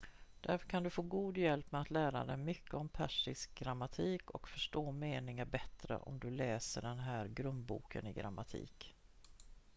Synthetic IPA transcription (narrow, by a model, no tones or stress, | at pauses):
d̪̥æɾfœɾkʰand̪ɵfoːɡuːd̪jɛlpmɛat̪læːɾa̰d̪ɛjmʏkʰːəɔmpʰæʂɪsk̚ɡɾamːat̪ʰiːkɔkfœʂʈoːmeːnɪŋaɾbɛt̪ɾə̰ʔɔ̰md̪ɵlɛːsəɖɛnɦæːɾɡɾɵnd̪̚bṵːkʰə̰nɪɡɾa̰mːat̪ʰḭːk